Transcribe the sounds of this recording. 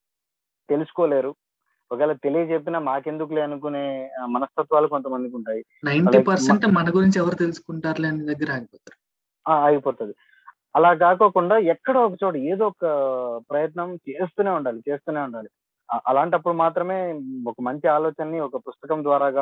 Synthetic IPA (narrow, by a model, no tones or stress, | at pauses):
t̪e̞lusu̥koːle̞ːɾu | ɔkɛːlɐt̪e̞lijɐt͡ʃepːinaːmaːke̞nd̪uk̬uleːɐnukune̞ːmɐnɐst̪ʰɐt̪ʋaːluko̞nt̪̬ɐmɐnd̪ikuɳʈaːji | nɐjnɐlipɐɾseɳʈmɐnɐɡuɾiɲt͡ʃɛʋɐɾut̪elusu̥kuɳʈaːɾleɐnid̪ɐɡːɐɾaːɡipɔːt̪aːɾu | aːaːɡipoːt̪ud̪i | ɐlaːk̬aːkoːkuɳɖaːɛkːɐɽɐɔk̬ɐt͡ʃoːʈɐe̞ːd̪oːɔkɐpɾɐjɐt̪nɐmt͡ʃeːst̪uːne̞ːuɳɖaːlit͡ʃe̞ːst̪uːneuɳɖaːli | ʔɐlaːɳʈɐpːuɽumaːt̪ɾɐme̞ːɔkɐmɐɲt͡ʃiaːlɔːt͡ʃɐnːiɔkɐpust̪ɐkɐmd̪ʋaːɾaːɡaː